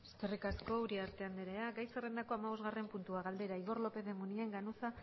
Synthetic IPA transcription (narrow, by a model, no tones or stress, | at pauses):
est̪erikasko̞uɾiaɾt̪e̞and̪eɾeaɡajsere̞nd̪ako̞amaβ̞o̞zɣare̞mpunt̪uaɣald̪e̞ɾaiɣo̞ɾlo̞pe̞ðe̞munie̞ŋɡanusa